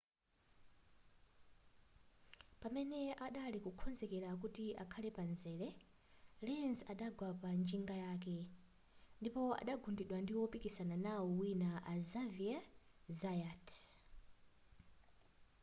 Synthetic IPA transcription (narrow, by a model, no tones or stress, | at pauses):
pamɛnɛʔaɗalikukʰɔnzɛkɛɾak̬utia̰kʰalɛpanzɛlɛ | lɛnzaɗaɡwapand͡ʒiŋɡajaːk̬ɛ | ndipɔa̰ɗaɡundiɗwandiwɔpikisananawɔwinaʔazaviazajatʰ